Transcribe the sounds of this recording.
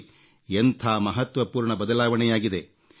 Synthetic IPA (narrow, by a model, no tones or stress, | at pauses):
ent̪ʰaːmɐɦɐt̪ʋɐpuːɾɳɐbɐd̪ɐlaːʋɐɳɛjaːɡid̪e